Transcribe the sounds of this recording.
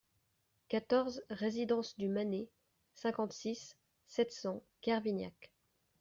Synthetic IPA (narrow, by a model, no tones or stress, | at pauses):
kat̪ɔʁzʁezid̪ɑ̃sd̪ymane | sɛ̃kɑ̃t̪sisː | ɛt̪sɑ̃ | kɛʁvinja̰k